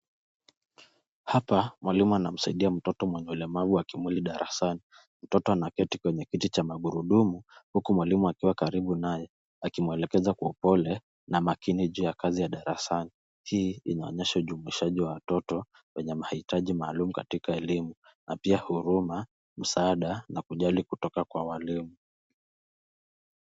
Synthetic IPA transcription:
hapamwalimuanam̩saiɗiam̩tɔtɔmwɛɲɛulɛmavuakimwiliɗaɾʔa̰sani | m̩tɔtɔanakɛtikwɛɲɛkitit͡ʃamaɠuɾuɗumuhukumwalimuakiwakaɾiɓunajɛ | akimuɛlɛkɛzakwaɔupɔlɛ | namakiniʄuːjakazijaɗaɾasani | hiːḭnaɔ̰ɲɛʃauʄumuiʃaʄiwawatɔtɔ | wɛɲɛmahitaʄimaːlumukatikaɛlimu | nʔapiahuɾuma | m̩saːɗanakuʄalikutɔkakwawalimu

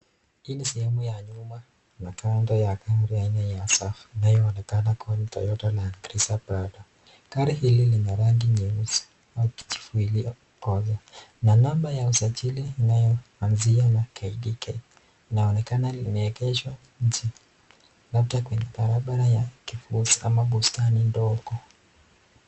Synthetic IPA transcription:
inisɛhɛmujaɲuma | nakandɔjakanɾɔjaɲajasafinajɔːnɛkanakɔlitɔ̰jɔtalaŋɡɾisapadɔ | kaɾiɦililiɲaɾaŋɡiɲimis | auki̥t͡ʃi̥fuili | kɔzananambajausat͡ʃiliinajɔanzianakaiɗikɛː | naɔnɛkanalinɛɛkɛʃwa | ɲ̩t͡ʃi | labtakwɛɲɛɓaɾaɓaɾajakifusi̥amaɓustanindɔɡɔ

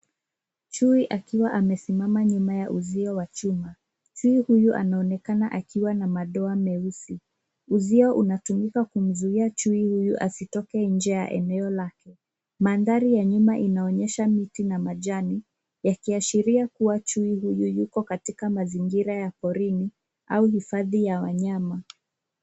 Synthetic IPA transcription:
t͡ʃuiʔakiwaʔamɛsimamaɲumajaʔuziɔwat͡ʃuma | t͡ʃuihujuʔa̰naɔnɛkanaʔakiwanamaɗɔamɛusi | uziɔʔunatumikakum̩zuiat͡ʃuihujuʔasitɔkɛɲ̩d͡ʒɛja̰ʔɛ̰nɛɔlakɛ | manðaɾijaɲumaʔinaɔɲɛʃamitinamaʄani | jakiaʃiɾiakuwat͡ʃuihujujukɔkatikamaziŋɡiɾajapɔɾini | auhifaðijawaɲama

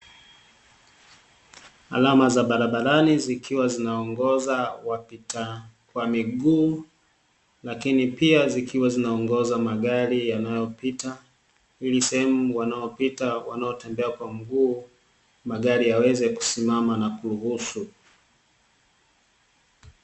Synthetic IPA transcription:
a̰lamazaɓaɾaɓaɾanizikiwazinaɔŋɡɔzawapita | kwamiɠuː | lakinipiazikiwazinaɔŋɡɔzamaɠaɾijanajɔpita | ilisɛhɛmuwanaɔpitawanaɔtɛmbɛakwam̩ɡuː | maɠaɾijawɛzɛku̥simamanakuɾuhusu

